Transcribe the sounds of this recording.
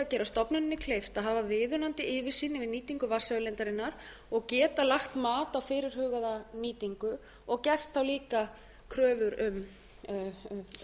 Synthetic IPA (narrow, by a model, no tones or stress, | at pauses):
acɛːɾast̪ɔpnʏnɪnːɪkʰlejft̪aðɦaːvavɪːðʏnant̪ɪɪːvɪ̥siːnɪvɪðniːt̪iŋkʏvasːaʏlɛnt̪aɾɪnːaɾ̥ | ɔɣcɛːt̪alaxt̪maːt̪awfɪːɾɪɾ̥hʏːɣaðaniːt̪iŋkʏ | ɔɣcɛr̥t̪θawliːka | kʰɾœːvʏɾʏm